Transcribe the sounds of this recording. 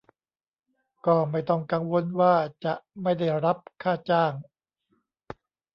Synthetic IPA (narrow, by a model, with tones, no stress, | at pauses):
kɔː˥˩ma˥˩jt̪ɔ˥˩ŋka˧ŋwo˧nwaː˥˩t͡ɕa˨˩ʔma˥˩jda˥˩jɾa˦˥p̚kʰaː˥˩t͡ɕaː˥˩ŋ